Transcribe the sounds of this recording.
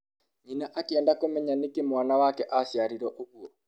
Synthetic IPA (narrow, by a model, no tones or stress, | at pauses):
ɲinaʔakeɛːndakomɛɲanekemwanawakɛʔasjaɾiɾɔʔoɣwɔ